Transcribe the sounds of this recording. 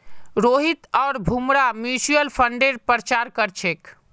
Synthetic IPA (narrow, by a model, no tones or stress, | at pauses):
ɾoɦit̪ɔːɾbʱumɾamjusuəlpʰəɳɖeɾpəɾət͡ʃaɾkəɾt͡ʃʰek